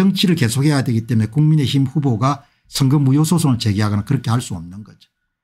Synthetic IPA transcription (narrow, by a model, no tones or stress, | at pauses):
ʌŋt͡ɕʰiɾɯɭke̞sʰok̚he̞jadwe̞ɡit͈emume̞kuŋmine̞çimɸuboɡa | sʰɯŋɡɯmːujosʰosʰoŋɯɭt͡ɕe̞ɡiɦaɡʌnankɯɾʌkʰe̞haɭs͈uʌmnɯnɡʌd͡ʑo̥